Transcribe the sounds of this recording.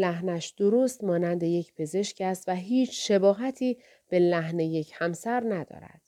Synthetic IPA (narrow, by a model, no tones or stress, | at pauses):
læɦnæʃd̪̥oɾoːst̪mɒːnænd̪e̞je̞cʰpʰe̞ze̞ʃcæst̪væɦiːt͡ʃʰʃe̞bɒːɦæt̪ʰiː | b̥e̞læɦne̞je̞cʰhæmsæɾnæd̪ɒ̰ːɾæ̰d̪̥